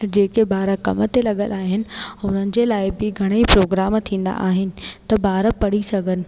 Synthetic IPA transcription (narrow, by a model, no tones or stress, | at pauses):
d͡ʑeːkebaːɾakɐmət̪elɐɠəlaːɦɪnɪ̆ʊnənɪ̆d͡ʑeːlaːɪbɪɡʱɐɽ̃eipɾoːɡɾaːmt̪ʰĩːnd̪a̰ʔaːɦɪnɪ̆t̪ɐbaːɾpɐɽ̤isɐɡʱənɪ̆